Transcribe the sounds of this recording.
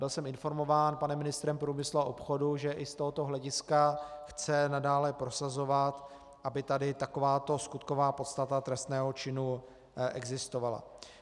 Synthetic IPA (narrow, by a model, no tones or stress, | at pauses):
bɪlsɛmɪnfo̞ɾmo̞vaːnpanɛmːɪnɪst̪ɾɛmpɾuːmɪsluaʔopxo̞duʒɛʔɪst̪o̞ɦot̪o̞ɦlɛɟɪskaxt͡sɛnadaːlɛpɾo̞sazo̞vat̪ | ʔabɪt̪adɪt̪ako̞vaːt̪o̞skut̪ko̞vaːpo̞t̪st̪at̪at̪ɾɛst̪nɛːɦo̞t͡ʃɪnu | ʔɛ̰ɡzɪst̪ovala̰